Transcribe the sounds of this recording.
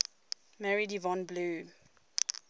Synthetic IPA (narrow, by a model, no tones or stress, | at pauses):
mɛɹidivɔ̃nbluː